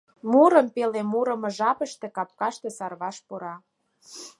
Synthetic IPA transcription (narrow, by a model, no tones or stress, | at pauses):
muɾə̆mpelemuɾə̆mɤ̆ʒɑpə̆ʃt̪ĕkɑp̚kɑʃt̪ĕsɑrβɑʃpuɾɑ